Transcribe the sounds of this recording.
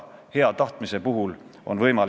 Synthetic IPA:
he̞ɑt̪ɑht̪mise̞puɦulo̞̰nvɤjmɑl

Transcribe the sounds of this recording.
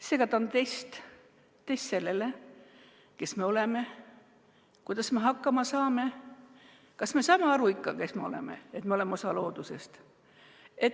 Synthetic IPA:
se̞ːɡ̥ɑt̪ɑont̪e̞jst̪ | t̪ːest̪se̞lːe̞le | ke̞sme̞o̞le̞me̞ | kujd̪̥ɑsme̞ɦɑkːɑmɑsɑːme̞ | kɑsme̞sɑːmeɑɾuikːɑkesmeo̞̰lḛmḛet̪meolemeo̞sɑlo̞ːd̪̥use̞st̪ | et̪

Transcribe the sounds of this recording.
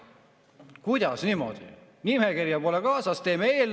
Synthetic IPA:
kujd̪̥ɑsnimo̞̰d̪̥i | nimekirjɑpo̞lekɑːsɑst̪eːmeeːl

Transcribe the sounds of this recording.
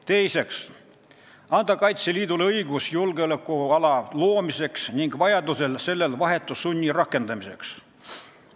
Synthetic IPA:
t̪e̞jse̞ks | ɑnd̪̥ɑkɑjt̪siliːd̪̥uleɤjɡ̥usjulɡ̥eolekːˑuɑlɑlo̞ːmise̞ksniŋɡ̥vɑjɑd̪use̞lse̞lːe̞lvɑɦe̞t̪ːˑusːunʲːirɑkːˑe̞nd̪̥ɑmise̞̰ks

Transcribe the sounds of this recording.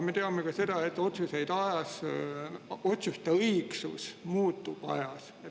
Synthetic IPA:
me̞t̪e̞ɑmekɑse̞d̪̥ɑe̞t̪ːˑo̞t̪suse̞jd̪̥ɑjɑs | o̞t̪sjust̪eɤjksṵsmuːt̪ːˑub̥ɑ̰jɑs | et

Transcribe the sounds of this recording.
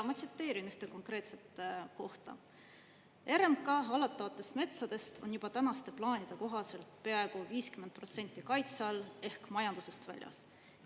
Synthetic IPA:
mɑt̪set̪ːe̞ːɾinyht̪eko̞ŋkɾe̞ːt̪se̞t̪ːˑko̞ht̪ɑ̰ | e̞ɾemkɑɦɑlɑt̪ːˑɑvɑt̪ːˑe̞st̪me̞t̪sɑd̪̥e̞st̪ʰo̞̰njub̥ɑt̪ænɑst̪e̞plɑːnid̪̥e̞ko̞ɦɑse̞lt̪ˑpe̞ɑe̞ɡ̥uviːskymenpro̞t̪se̞nʲt̪ːˑikɑjt̪sɑle̞hkmɑjɑnd̪use̞st̪væ̰lʲjɑ̰s

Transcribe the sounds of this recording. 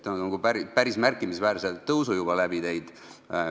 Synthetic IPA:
t̪ːˑonnɑɡ̥upæɾipæɾismærkːˑimisvæːɾselt̪ːɤwsujubɑlæb̥it̪e̞jd̪̥

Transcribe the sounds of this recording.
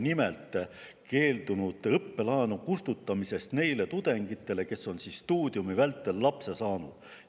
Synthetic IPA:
nimelt̪ˑke̞ːld̪unud̪̥ɤpːe̞lɑenukust̪ut̪ːˑɑmise̞st̪ne̞jle̞t̪ud̪̥e̞ŋɡit̪ːˑe̞le̞ke̞sːo̞nsiːsːt̪uːd̪̥jumivælt̪ːˑe̞lːɑpse̞sɑːnud̪̥

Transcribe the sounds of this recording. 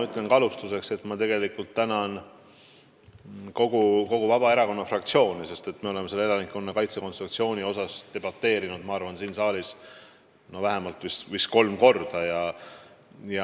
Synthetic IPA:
yt̪ːˑlenkɑlust̪use̞kse̞t̪mɑt̪e̞ɡ̥e̞likult̪ːænɑn | ko̞ɡ̥uko̞ɡ̥uvɑb̥ɑe̞ɾɑko̞nːɑfrɑkt̪sio̞ːnise̞st̪e̞t̪ːme̞ole̞mːeselːeeɑnikːonːɑkɑjt̪se̞konst̪ruk̚t̪sio̞ːnio̞sɑst̪e̞b̥ɑt̪ːe̞ːɾinud̪̥mɑɑrvɑnsiːnsɑːlis | no̞væɦe̞mɑlt̪vist̪visko̞lmko̞rd̪̥ɑjɑ | jɑ

